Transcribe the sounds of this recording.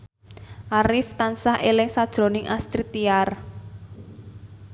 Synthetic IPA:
ʔaɾɪft̪ansahʔelɪŋsad̥ʒ̥ɾo̤nɪŋʔast̪ɾit̪iar

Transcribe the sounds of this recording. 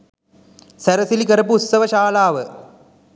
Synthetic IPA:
sɐɾɐsilikɐɾɐpuːt̪sɐʋɐʃaːlaːʋə

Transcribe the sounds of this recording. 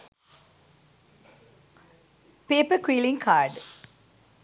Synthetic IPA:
peːpəkwiːlɪ̃ŋkʰaːɾɖ

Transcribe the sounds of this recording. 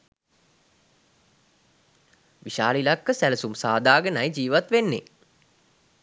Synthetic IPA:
ʋiʃaːlilakːəsæləsumsaːd̪aːɡənajd͡ʒiːʋat̪ʋenːḛ

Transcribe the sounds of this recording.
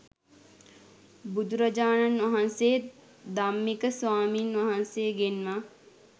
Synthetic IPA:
bud̪uɾad͡ʒaːnanʋaɦanseː | d̪amːikəsʋaːmiːnʋaɦansejɡenma

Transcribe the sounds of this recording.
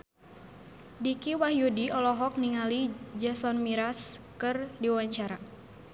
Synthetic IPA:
dikiwahjudiʔɔlɔɦɔk̚niŋalid͡ʒasɔnmiɾaskɨrdiwawaɲt͡ʃaɾa

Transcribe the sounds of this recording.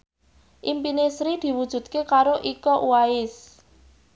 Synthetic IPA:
ʔimpinesɾid̪̥i̤wud̥ʒ̥ṳt̪̚kekaɾoʔikɔʔuwaɪs

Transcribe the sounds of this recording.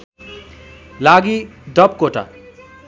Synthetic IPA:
laɡiɖʌp̚koʈa̰

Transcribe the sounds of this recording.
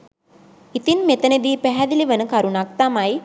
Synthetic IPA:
it̪inmet̪əned̪iːpæɦɛd̪iliʋənəkaɾunak̚t̪amaj

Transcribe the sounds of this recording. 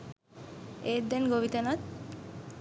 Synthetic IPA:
ed̪enɡobit̪enat̪

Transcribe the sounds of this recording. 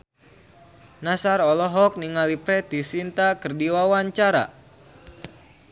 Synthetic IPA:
nasaɾɔlɔɦɔk̚niŋalipɾɛt̪isint̪akərdiwawaɲt͡ʃaɾa̰

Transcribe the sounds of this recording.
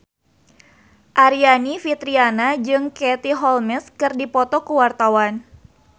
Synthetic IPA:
ʔaɾianifit̪ɾianad͡ʒɨŋket̪iɦɔlmɛskɨrdipɔt̪ɔkuwart̪awan

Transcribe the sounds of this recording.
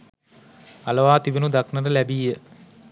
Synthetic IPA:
aləʋaːt̪iʋenud̪aknəɾəlæbiːjə

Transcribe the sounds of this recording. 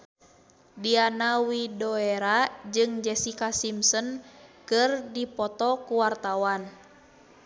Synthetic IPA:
dianawidɔɛɾad͡ʒɨŋd͡ʒɛsikasimsɔnkɨrdipɔt̪ɔkuwart̪awan

